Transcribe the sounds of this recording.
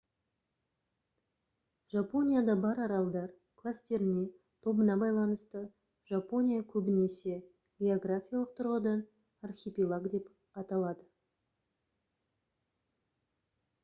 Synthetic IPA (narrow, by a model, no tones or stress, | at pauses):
ʒ̥apo̞nʲijad̪ɑbɑɾɑɾɑlˠd̪ɑɾ | kʰlˠast̪e̞ɾɪne̞ | t̪ʰo̞bənɑbɑjlˠɑnəst̪ə | ʒapo̞nʲijakʲʰɵbɪne̞se̞ | ɡʲeoɡrafʲijalˠəq̚t̪ʰʊɾʁəd̪ɑn | arχʲepʲilˠaɡd̪e̞p | ɑt̪ɑlˠɑd̪ə